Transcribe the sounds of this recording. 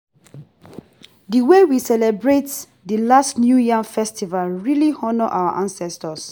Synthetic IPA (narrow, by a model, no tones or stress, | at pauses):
diwewisɛlɛbɹet | dəlastnjujafɛstivalɹilihɔnɔʔa̰wa̰ʔãnsɛstəs